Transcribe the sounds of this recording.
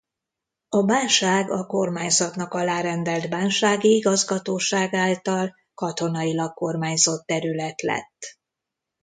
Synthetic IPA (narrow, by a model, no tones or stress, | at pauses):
ɒbaːnʃaːɡɒko̞rmaːɲzɒt̪nɒkɒlaːɾɛnd̪ɛlt̪baːnʃaːɡiiɡɒzɡɒt̪oːʃaːɡaːlt̪ɒl | kɒt̪o̞nɒilɒkko̞rmaːɲzo̞t̪ːɛɾylɛt̪lɛ̰t̪ː